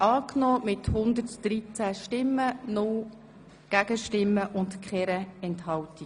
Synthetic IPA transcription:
ɑːknɔːmɪthʊnd̪ərtd̥ɾit͡sæʃtɪmːənʊl | ɡ̥æɡəʃtɪmːəʔʊntkχɛɾəɛnthɑlti

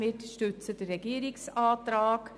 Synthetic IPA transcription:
ɪtʃtʉt͡səd̥ərːɛɡiːɾɪksɑːt̪ɾɑːk

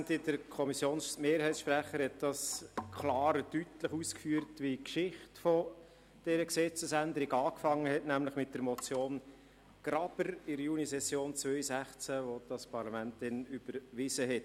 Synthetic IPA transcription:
t̪id̥əɾkʰɔmisjoːnsmeːɾhɛɪt͡ssʃpɾæχəɾhɛt̚d̥ɑskʰlɑːɾədytləχuskfyːəɾtʋikʃɪχtfɔ | d̥ɛɾəksɛt͡səsændəɾɪɡɑːkfɑŋːəɦɛtnæmləχmɪt̚d̥əɾmɔt͡sjoːn | ɡ̥ɾɑb̥əɾɪɾjunisɛsjoːnt͡svœʏsæχt͡sæʋod̥ɑspɑɾlɑmænt̚d̥ɛnyb̥əɾʋɪzəɦɛt

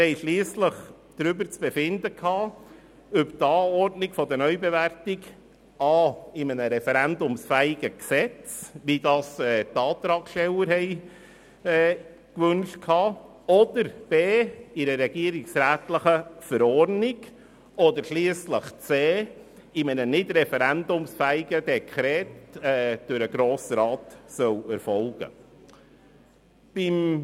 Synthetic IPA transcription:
hɛɪʃliːsləχ | d̥ɾʏbəɾt͡sb̥efɪndəkʰhɑː | œpt̪ɑːɔɾdnɪɡfɔd̪ənœʏbevæɾtɪɡ | ɑːɪmənəɾɛfɛɾænd̪ʊmsfæɪɡəksɛt͡sʋidɑːsɛːtɑːt̪ɾɑːkʃtɛləɾhɛɪ | ɛː | kʋɵnʃtkʰhɑː | ɔd̥əɾb̥eːɪɾəɾɛɡ̥iːəɾɪksɾæːtləχəfəɾɔɾnɪɡ̥ | ɔdəɾʃliəsləχt͡seː | ɪmənənɪdɾɛfɛɾændʊmsfæːɪɡəd̥ɛkʰχʁɾɛːtɛːd̥ʊɾəɡ̥ɾoːsəɾɑːtsœwɛɾfɔlɡ̥ə̰ | b̥ɪm

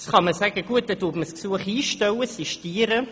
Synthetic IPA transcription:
sχɑməsæɡ̥əɡ̥uət̚dɛtutməsksuəχiːʃtɛwəsiʃtiːəɾə

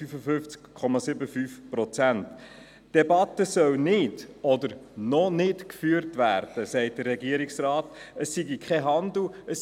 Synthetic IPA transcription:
yfəfʏft͡skkʰːɔmɑsɪbəfyfprɔt͡sænt | d̥ɛbɑtəsœwnɪdɔd̪əɾnɔnɪtkfyːəɾtvæ̰ːɾd̥əsɛɪt̚d̥ərːɛɡiəɾɪksrɑːtəsːiɡikʰɛɦɑnd̪l̩əs

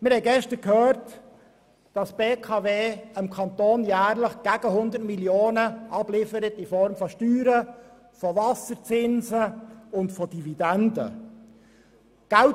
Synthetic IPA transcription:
mɪɾhɛɪɡɛʃtəɾkhøːɾt | d̥ɑsb̥eːkʰɑːveːəmkʰɑnt̪oːnjæːɾləχɡ̥æɡ̥əɦʊnd̪ətmiljoːnəʔɑb̥lɪfəɾətifɔɾmfɔʃtyːɾə | fɔvɑsəɾt͡sɪnzəʊntfɔd̥ividændə̰ | ɡ̥ælt

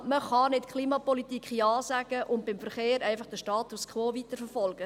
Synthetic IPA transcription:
məχɑnɪtkχliːmɑpɔlitikχjɑːsæɡ̥əʔʊntbɪmfəɾχeːɾæɪfɑχd̥əʃtɑːtuskʰʋoːʋit̪əɾfəɾfɔlɡ̥ə

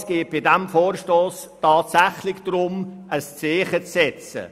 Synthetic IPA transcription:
sɡ̥eːt̚b̥ɪdɛmfoːrʃtoːs | tɑːtsæχlɪçd̥̪ɾʊm | əst͡seːχət͡sːɛt͡sə̰

